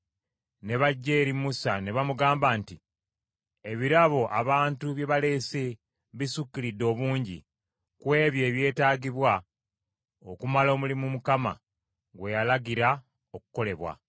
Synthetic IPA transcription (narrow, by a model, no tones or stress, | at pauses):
ne̞βaɟːe̞ːɾimusane̞βamuɡaːmbaːnti | e̞βiɾaβo̞ʔaβaːntuβje̞βale̞ːse | βisukːilidːo̞ːβuːɲɟḭ | kwe̞ːβje̞ːβje̞ːtaːɡiβwa | okumalo̞ːmulimumukama̰ | ɡwe̞jalaɡiɾa | oku̥ko̞le̞βwa̰